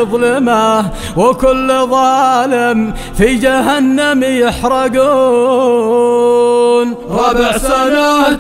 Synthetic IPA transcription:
ðˤlɪma | wɪkʊlːðˤɑːlɪm | fid͡ʒaɦanːamjɪħɾˤɑɡuː | nɾˤɑbɪʕsana

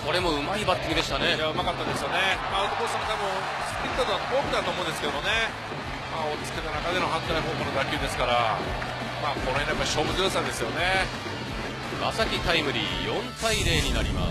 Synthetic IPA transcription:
ko̞ɾe̞mo̞ɯ̟maibat̪ʲːikɯd̪e̞ɕi̥t̪ane̞aaɯmakat̪ːad̪e̞sɨjo̞ne̞maɾt̪okost̪amot̪abɯ̃ | sɨ̥pɯɾʲit̪ot̪oapokɯ̟d̪at̪oːmõ̞ːnd̪esked̪omone | maːo̞t͡sɨ̥t̪ːe̞t̪anakad̪e̞no̞ɦãnt̪aiɦoːkonod̪akʲɨːd̪e̞sɨ̥kaɾa | maːko̞noenːjapːaiɕo̞ːbɯ̟zoːs̬ãnd̪e̞sɨjo̞ne̞ | ma̰sakʲit̪aimɯ̟ɾʲḭjõ̞nt̪aiɾe̞ːɲ̟inaɾʲḭma̰

